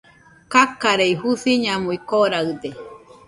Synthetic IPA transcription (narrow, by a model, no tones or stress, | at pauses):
kakaɾeihuθiɲamuikoɾaɯd̪e